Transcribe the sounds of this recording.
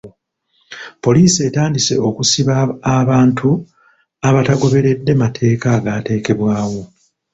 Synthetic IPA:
po̞liːsie̞taːndise̞o̞kusiβaːβaːntʰu | aβataɡo̞βe̞ɾe̞dːe̞matʰe̞ːkaɡaːte̞ːke̞βwaːwo̞

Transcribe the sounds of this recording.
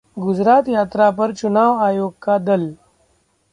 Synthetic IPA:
ɡʊd͡zɾaːt̪jaːt̪ɾapəɾt͡ʃunaːʋaːjoːɡ̚kad̪əl

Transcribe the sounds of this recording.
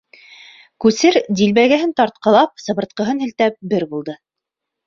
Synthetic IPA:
kʉsɘɾd̪ilβæɡæɦɘnt̪ɑɾt̪̚qɤ̆lˠɑp̚sɤ̆βɤ̆ɾt̪̚qɤ̆ɦɤnhɘ̆lt̪æp̚bɘɾbulˠd̪ɤ

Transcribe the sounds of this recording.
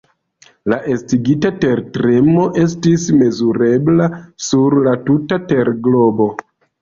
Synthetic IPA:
laʔe̞stiɡitate̞ɾtɾe̞mo̞ʔe̞s̬tisme̞zuɾe̞blasuɾlatutate̞ɾɡlo̞bo̞

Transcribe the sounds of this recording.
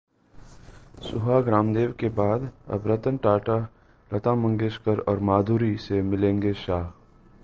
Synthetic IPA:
sʊɦaɡɾaːmd̪eːʋkebaːd̪ɐ̰bɾət̪ənʈaːʈa | ɾɐt̪ãmə̃ŋɡeːskəɾɔːɾmaːd̪ʱuːɾisemɪlẽːŋɡeʃaːɦ

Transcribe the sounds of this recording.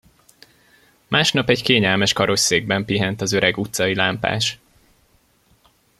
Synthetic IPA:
maːʃnɒpɛɟkeːɲɛlmɛʃkɒɾo̞ʃseːɡ̚bɛmpiɦɛnt̪ɒzøɾɛɡut̪sɒilaːmpa̰ːʃ

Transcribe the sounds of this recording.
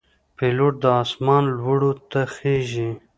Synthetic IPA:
peloʈ̚d̪əɑːsmɑːnlwəɽot̪axeʒi

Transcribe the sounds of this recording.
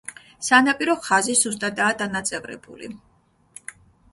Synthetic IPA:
sanapʼiɾɔχazizust̪ʼad̪aːd̪anat̪sʼɛvɾɛ̰bṵlḭ

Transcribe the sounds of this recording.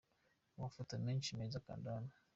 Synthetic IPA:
mafutanaɲ̩t͡ʃinezaka̰ndana

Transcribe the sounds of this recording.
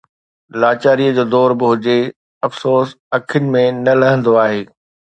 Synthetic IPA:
laːt͡ɕaːɾiəd͡ʑoːd̪ɔːɾbɪɦʊd͡ʑe | ɐfsoːs | ɐkʰɪnɪ̆mẽnɐlɐɦə̃nd̪oaːɦeː

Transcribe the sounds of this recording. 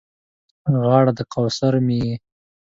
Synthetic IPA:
ɣɑːɽad̪əqawsaɾmiji

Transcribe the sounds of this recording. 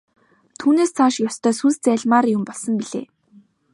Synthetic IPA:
t̪ʰuːneːst͡sʰaʃkjɔst̪ʰœːsunst͡sæːɮmaːɾjʊmpɔɮsɞ̆mpiɮḛː

